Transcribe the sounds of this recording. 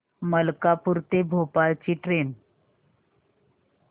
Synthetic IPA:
məlkapuɾt̪ebʱopalt͡ɕiːʈɾen

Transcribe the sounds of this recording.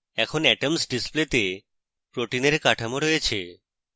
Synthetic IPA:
ɛkʰonɛʈemsɖisplet̪e | pɾoʈineɾkaʈʰamoɾojet͡ɕʰe

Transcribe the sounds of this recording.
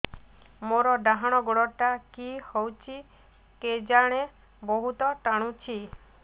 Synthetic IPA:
moɾɔɖaɦaɽ̃ɔɡoɽɔʈakihɔwt͡ʃʰi | ked͡ʒaɽ̃e | bɔɦut̪ɔʈaɽ̃ũt͡ʃʰi

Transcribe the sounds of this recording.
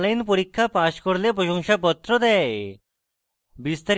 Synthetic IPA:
lajnpoɾikʰːapaʃkɔɾlepɾɔʃɔŋʃapɔt̪ːɾɔd̪ɛ | bist̪aɾ

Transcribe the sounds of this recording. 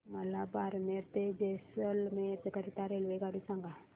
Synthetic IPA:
məlabaɾmeɾt̪ed͡ʑesəlmet̪əkəɾit̪aɾelʋeɡaɽisãŋɡa

